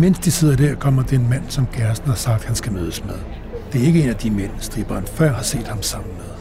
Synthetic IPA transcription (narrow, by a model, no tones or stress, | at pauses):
men̰sd̥ise̝ð̞̰ˠɐd̥æɐkʰɒ̽m̰ɐd̥eenmæn̰sɒ̽mɡ̥æɐsn̩hɑ̈sɑ̈ɡ̥̚d̥hænsɡ̥æmøːð̞ˠəsmeð̞ˠ | d̥e̝æɐe̝ɡ̥əe̝ːnæd̥imen̰sd̥ʁiːb̥ɐnfɶɐ̰ɦɑ̈se̝̰ːd̥hɑ̈msɑ̈m̰n̩með̞ˠ